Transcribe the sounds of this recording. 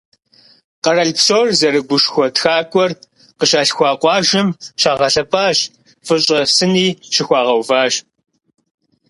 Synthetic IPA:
qɐrɐɮpsoːrzɐɾɨɡʷʊʃxʷɔtxaːkʷʼɔr | qəɕaːɬxʷɑːqʷɑːʒɪmʃaːʁɐɬɐpʼaːɕ | fɨɕʼɐsɨniːʃɪxʷɑːʁɐwvaːʒ

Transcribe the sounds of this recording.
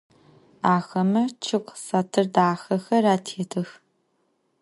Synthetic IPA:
aːxɐmɐt͡ʃʰɨqʷsatʰɨrdaːxɐxɐraːtʰeːtʰɨx

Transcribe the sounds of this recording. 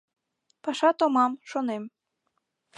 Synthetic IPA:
pɑʃɑt̪omɑmʃonem

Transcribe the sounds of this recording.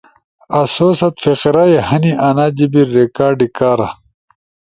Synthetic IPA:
ɐsoːsɐt̪feqɾajehɐniʔɐnaːd͡ʑibiɾːekaːɾɖikaːɾɐ

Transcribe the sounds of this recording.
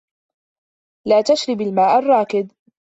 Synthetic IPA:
laːt̪aʃɾɪbalmaːʔarˤːɑːkɪd̪

